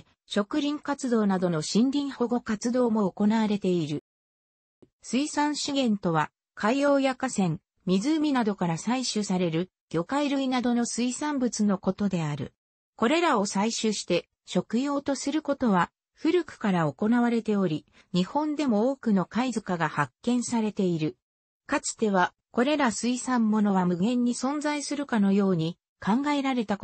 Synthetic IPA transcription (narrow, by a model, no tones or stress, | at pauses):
ɕo̞kɯ̟ɾʲĩŋkat͡sɨd̪o̞ːnad̪o̞no̞ɕĩnɾʲĩɰ̃ho̞ɡo̞kat͡sɨd̪o̞ːmo̞ːko̞naβaɾe̞t̪e̞iɾɯ̟ | sɨisãɰ̃ɕiɡẽ̞nt̪o̞βa | kʰaio̞ːjakasẽ̞ŋ | mʲizɨːmʲinad̪o̞kaɾasaiɕɨsaɾe̞ɾɯ̟ | ɡ̥ʲo̞kaiɾɯ̟inad̪o̞no̞sɨisãmbɯt͡sɨno̞ko̞t̪o̞d̪e̞aɾɯ̟̰ | ko̞ɾe̞ɾao̞saiɕɨɕi̥t̪e̞ | ɕo̞kɯ̟jo̞ːt̪o̞sɨɾɯ̟ko̞t̪o̞βa | ɸɯ̟ɾɯ̟kɯ̟̥kaɾao̞ko̞naβaɾe̞t̪e̞o̞ɾʲi | ɲ̟ihõ̞nd̪e̞mo̞oːkɯ̟no̞kaizɨkaɡahakːẽ̞ɰ̃saɾe̞t̪e̞iɾɯ̟ | kat͡sɨ̥t̪e̞βa | ko̞ɾe̞ɾasɨisãmːo̞no̞β̞amɯ̟ɡẽ̞ɲ̟ːisõ̞nzaisɨɾɯ̟kano̞jo̞ːɲ̟i | kʰãŋɡae̞ɾaɾe̞t̪a